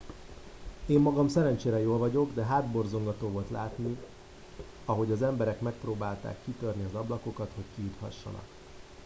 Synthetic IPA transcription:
eːmːɒɡɒmsɛɾɛnt͡ʃeːɾɛjoːlvɒɟo̞ɡd̪ɛɦaːd̪bo̞rzo̞ŋɡɒt̪oːvo̞lt̪la̰ːt̪ni | ɒɦo̞ɟɒzɛmbɛɾɛkmɛk̚proːbaːlt̪a̰ːkːit̪ørniɒzɒblɒko̞kɒt̪ho̞ckijut̪hɒ̰ʃːɒ̰nɒ̰k

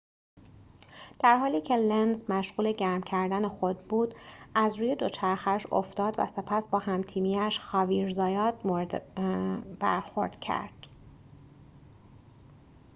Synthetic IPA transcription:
d̪̥æɾɦɒːliːcʰe̞lenzmæʃɣuːle̞ɟæɾmcʰæɾd̪æne̞xo̞d̪buːd̪̥æzɾuːje̞d̪o̞t͡ʃʰæɾxæʃo̰ft̪ɒːd̪væ̰se̞pʰæsbɒːɦæmt̪ʰiːmiːæʃxɒːviːɾzɒːjɒːt̪moɾd̪ | b̥æ̰ɾxo̞̰ɾd̪̥cʰæ̰ɾd̪̥

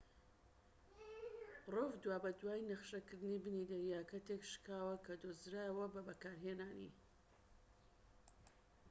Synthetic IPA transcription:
rovd̪waːbɐd̪waːjnɐχʃɐkɨɾd̪ɨnibɨnid̪ɐɾijaːkɐt̪ekʃkaːwɐkʰɐd̪ozɾaːjəwɐbɐbɐkaːɾɦeːnaːnḭ

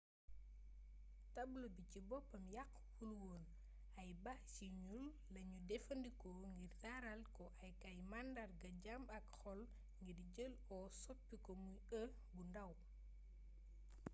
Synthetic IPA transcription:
tɐblubicibɔpːɐmjɐk | hulwɔːn | ɐjbɐhciɲulːɐɲudɛfɐndikɔŋɡirdaɾɐlkɔʔɐjkɐjmandɐrɡɐɟamɐkxɔl | ŋɡiɾɟəlɔsɔpːikɔmujə | bundɐw

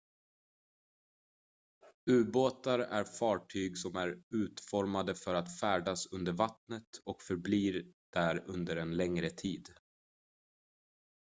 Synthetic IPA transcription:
ʉ̟ːboːt̪aɾæ̰ɾfɑːʈʰyːɡsɔmæɾʉ̟ːt̪fɔɾmad̪əfœɾat̪fæːɖasɵnd̪əɾvat̪nət̪ɔkfœɾbliːɾd̪̥æɾɵnd̪əɾɛnlɛŋɾət̪ʰiːd̪

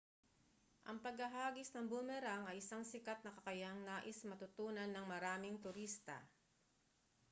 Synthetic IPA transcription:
ʔɐŋpɐɡɐɦaːɡɪsnɐŋbʊmɛɾaŋɐjʔɪsaŋsɪkat̪̚nɐkɐkɐjaŋnaːʔɪsmɐt̪ʊt̪uːnɐnːɐŋmɐɾaːmɪŋt̪ʊɾist̪ɐ̰

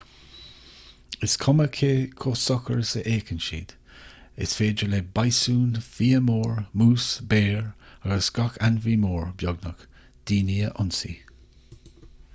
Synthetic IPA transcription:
ɪskʰɔməkʰeːkʰosɔkəɹəsəʔeːkənʃḭːd̪̥ | ɪ̰sfeːd͡ʒəleːbajsuːnfiːəmoːɹmuːsbeːɹaɡəsɡ̥ɔkanviːmoːɹbjɔɡnək | d̪̥iːniːəʔʊnsḭ

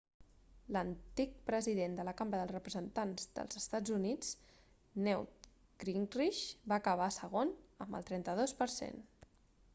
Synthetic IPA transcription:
lənt̪ik̚pɾəziðend̪ələkambɾəðəlˠrəpɾəzənt̪anzd̪ə̰lˠzəst̪ad͡zunid͡z | nɛwt̪ | ɡɾinriʃbaəkəβ̞asəɣ̞onə̰mbə̰lˠt̪ɾɛnt̪əð̞ospəɾsḛn

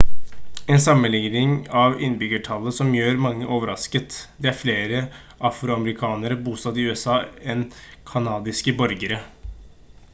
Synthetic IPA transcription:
ɛnsɑmːəlɪŋnɪŋɑʋɪ̰nːbʏɡəʈʰɑlːəsɔmjøːɾmɑŋːəʔoːʋəɾɑskət̪d̪ɛæɾfleːɾə | ʔɑfɾʊɑməɾɪkʰɑːnəɾəbuːst̪ɑt̪ɪʉɛsɑːɛnkʰɑnɑːd̪ɪskəbœɾɡəɾə

